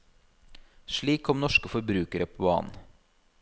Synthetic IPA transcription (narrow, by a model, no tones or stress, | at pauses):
ʃɭiːkʰɔmnɔʃkəfɔɾbɾʉːkəɾəpʰobɑ̰ːn̩